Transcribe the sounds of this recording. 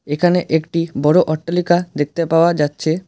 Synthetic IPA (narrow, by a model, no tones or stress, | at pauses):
ekʰaneʔekʈibɔɽoʔɔʈːalikad̪ek̚t̪epaoad͡ʑatːɕʰe